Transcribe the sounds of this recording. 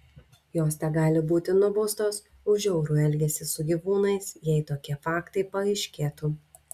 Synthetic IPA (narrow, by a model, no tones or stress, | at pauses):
joːst̪ʲɛɡɑːlʲɪbuːt̪ʲɪnʊbʊst̪oːs | ʊʒʲɛʊɾuːɛlʲɡʲɛsʲɪsʊɡʲiʋuːnɐɪsjɛɪt̪oːkʲiɛfɑːkt̪ɐɪpɐɐɪʃʲkʲeːt̪uː